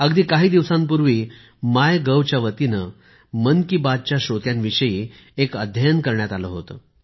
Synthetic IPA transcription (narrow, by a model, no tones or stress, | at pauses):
əɡd̪iːkaɦiːd̪iʋsãmp̬uɾʋiː | majɡəwt͡ɕjaʋət̪inə | mənkibad̪̚t͡ɕjaɕot̪jãnʋiɕəjiː | ekəd̪ʱjajənkəɾɳjat̪aləɦot̪ə̰